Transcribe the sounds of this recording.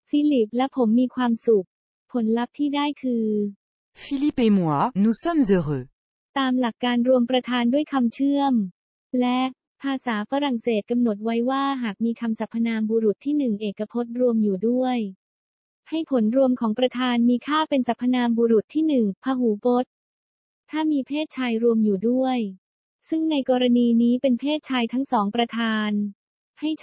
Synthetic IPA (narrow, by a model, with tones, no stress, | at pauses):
fi˦˥li˨˩p̚lɛ˦˥pʰo˩˦mːiː˧kʰwaː˧msu˨˩k̚ | pʰo˨˩˦nla˦˥p̚t̪ʰiː˥˩daː˥˩jkʰɯː˧ | fi˦˥li˦˥pi˧mu˨˩ə˦nu˦˥sa˥˩mzə˧ʁə˨˩ | t̪aː˧mla˨˩kːaː˧nɾu˧əmpɾa˧t̪ʰaː˧ndu˥˩əjkʰa˧mt͡ɕʰɯ˥˩əm | lɛ˦˥ | pʰaː˧saː˩˦fa˧ɾa˨˩ŋseː˨˩t̪̚ka˧mno˨˩t̪̚wa˦˥jwaː˥˩ɦaː˨˩k̚miː˧kʰa˧msa˨˩pʰːa˧naː˧mbuː˧ɾu˨˩t̪ʰːiː˥˩nɯ˨˩ŋʔeː˨˩kːa˧pʰo˦˥t̪̚ɾu˧əmjuː˨˩du˥˩əj | ha˥˩jpʰo˩˦nɾu˧əmkʰɔː˩˦ŋpɾa˧t̪ʰaː˧nmiː˧kʰaː˥˩pe˧nsa˨˩pʰːa˧naː˧mbuː˧ɾu˨˩t̪ʰːiː˥˩nɯ˨˩ŋpʰaː˧ɦuː˩˦po˦˥t̪̚ | t̪ʰːaː˥˩miː˧pʰeː˥˩t̪̚t͡ɕʰaː˧jɾu˧əmjuː˨˩du˥˩əj | sɯ˥˩ŋna˧jkɔː˧ɾa˧niː˧niː˦˥pe˧npʰeː˥˩t̪̚t͡ɕʰaː˧jt̪ʰa˦˥ŋsɔː˩˦ŋpɾa˧t̪ʰaː˧n | ha˥˩j